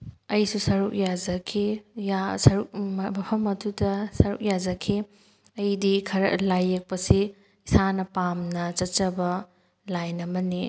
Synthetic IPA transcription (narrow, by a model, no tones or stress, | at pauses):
ɐjsusɐɾuk̚jad͡ʒɐkʰijasɐɾuk̚mmɐpʰɐmɐdudɐsɐɾṵk̚jad͡ʒɐkʰi | ɐjdikʰɐɾɐ̰lajːek̚pɐsi | isanɐpamnɐt͡ʃɐt͡ʃɐbɐ | lajnɐmɐni